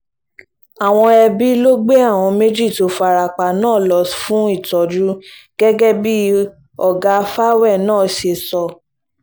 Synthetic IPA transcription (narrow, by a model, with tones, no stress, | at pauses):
a˨w̃ɔ̃˧ɛ˧bi˦lo˦ɡ͡be˦a˦˨w̃ɔ̃˧me˦d͡ʒi˦˨to˨˦fa˧ɾa˨k͡pa˨nãː˦˨lɔ˨sfũ˦i˦˨tɔ˨d͡ʒu˦ɡ̥ɛ˦ɡɛ˦bi˦ | ɔ˨ɡa˧fa˦wɛ˦˨nãː˦˨ʃe˧sɔ˧